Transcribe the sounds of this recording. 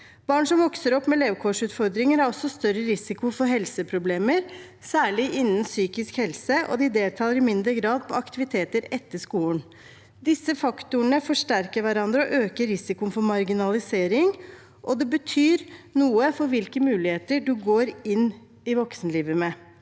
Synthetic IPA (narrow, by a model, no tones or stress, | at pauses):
b̥ɑːɳʂɔmʋɔksəɾɔpːmɛleːʋkʰɔʂʉːt̪fɔɾd̪ɾɪŋəɾhɑɾɔsːɔst̪œɾːəɾɪsɪkʊfɔɾɦɛlsəpʰɾʊbleːməɾ | sæːɭɪʔɪnːənsyːkɪskhɛlsəʔɔ̰d̪ɪd̪eːlt̪ʰɑːləɾɪmɪnd̪ɾəɡɾɑːd̪̚pʰɔɑkt̪ɪʋɪt̪ʰeːt̪əɾɛt̪ːəʂkuːn | d̪ɪsːəfɑkt̪ʊəɳəfɔʂʈæɾkəɾʋæɾɑnd̪ɾəɔʔøːkəɾɪsɪkʊənfɔɾmɑɾɡɪnɑlɪseːɾɪŋ | ʔɔd̪ɛbət̪ʰyːɾnuːəfɔɾʋɪlkəmʉːlɪheːt̪əɖʉɡoːɾɪn | ɪʋɔksnəliːʋəmɛ